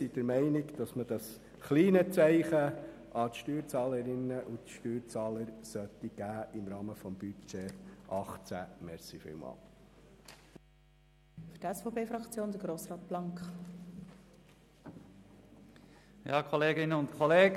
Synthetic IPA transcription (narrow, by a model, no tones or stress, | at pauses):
sid̥əɾmɛɪnɪɡd̥ɑsməd̥ɑs | χliːnət͡sɛɪχə | ɑt̪ʃtyːɾt͡sɑːləɾɪnːəʔutʃtyːɾt͡sɑːləɾsœt̪iɡ̥æːʔɪmɾɑːməfɔmb̥yt͡ʃeʔɑχt͡sæ̰mɛɾsifɪ̰ːlmɑ̰ːl | fydɛsfopʰeːfɾɑkt͡sjoːnd̪əɡ̥ɾoːsrɑːt̪̚b̥lɑŋkχ | jɑːkʰɔleːɡɪnəʊntkʰɔleːɡ